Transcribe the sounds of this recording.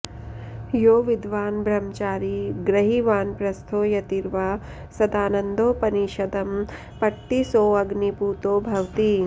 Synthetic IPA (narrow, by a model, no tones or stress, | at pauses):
joːʋid̪ʱʋaːnbʱɾɐmt͡ʃaːɾiɡɾɐɦiʋaːnpɾɐst̪ʰoːjɐt̪iɾʋaː | sɐd̪aːnɐnd̪oːpɐniʃɐd̪ɐm | pɐʈːisoːɐɡnipuːt̪oːbʱɐʋt̪i